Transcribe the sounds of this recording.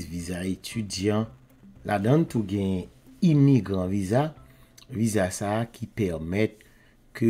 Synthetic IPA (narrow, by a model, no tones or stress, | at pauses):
zvizaet̪ʰydjɑ̃ | lʔadãnt̪uɡɛ̃ | imiɡʁɑ̃viza | vizasaːkʰipɛʁmɛt̪̚ | kʰø